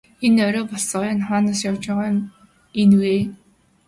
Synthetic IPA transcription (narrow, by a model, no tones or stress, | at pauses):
enœɾɔːpɔɮsɔːjanχaːnaːsjawt͡ɕʊːʁaːjʊm | enujeː